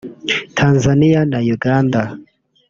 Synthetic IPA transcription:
tʰanzanijanajuɡanda

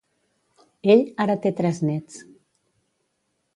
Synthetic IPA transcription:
eʎaɾət̪et̪ɾɛznɛt͡s

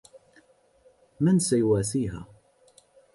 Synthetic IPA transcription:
mænsæjwæθiɦæ̰

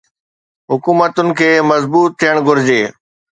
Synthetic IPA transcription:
ɦʊkuːmət̪ʊnɪ̆kʰeːmɐzbuːt̪ʰːijəɽ̃ɡʱʊɾɪd͡ʑeː

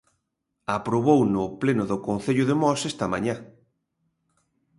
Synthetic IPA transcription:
apɾoβownʊplenʊðʊkon̟θeʎʊðɪmɔsest̪ɐmaɲa

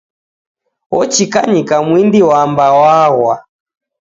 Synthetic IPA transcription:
wɔt͡ʃikaɲikamwindiwambawaɣwa

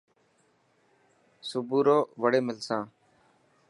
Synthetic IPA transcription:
sʊbuːɾoːʋəɽeːmɪlsãː

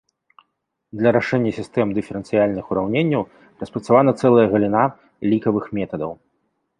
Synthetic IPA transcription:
d̪lʲɐɾaʂɛnʲːɐsʲist̪ɛmd̪ɨfʲɛɾɛnt̪sɨjalʲnɨxuɾawnʲenʲːɐw | rɐspɾɐt̪savanɐt̪sɛlˠɐjɐɣɐlʲina | lʲikɐvɨxmʲɛt̪ɐd̪ɐw

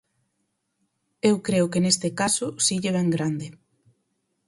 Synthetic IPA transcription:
ewkɾeʊkenest̪ɪkasʊsiʎeβ̞ɛŋɡɾand̪ɪ

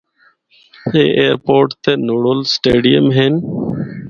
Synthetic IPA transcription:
heːʔeːɾpoːɾʈt̪eːnoːɽoːlsʈeːɖijəmɦeːn

